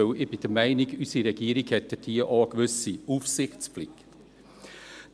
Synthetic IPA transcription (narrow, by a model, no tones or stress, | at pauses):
øʊʔɪbid̥əmæɪnɪɡ̥ysiɾɛɡ̥iːɾiɡ̥hɛt̪ːətʰiːəʔɑːɡ̥ʋʏsiuːfsɪxt̪sflɪkt̪